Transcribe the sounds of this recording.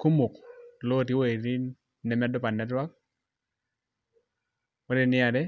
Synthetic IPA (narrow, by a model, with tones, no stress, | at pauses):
ku˦mu˨klo˦˨ti˦we˦˨ɾi˦ | nɛ˨mɛ˦dɔ˦pa˨nɛ˨˦dwa˦k̚ | wo˦ɾɛ˦nɪ˦a˨dɛ˦